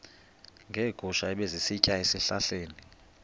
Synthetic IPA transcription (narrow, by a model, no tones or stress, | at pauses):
ŋɡʱɛːɡ̥ʱuʃaɛɓezisicʼaesiɬaɬeːni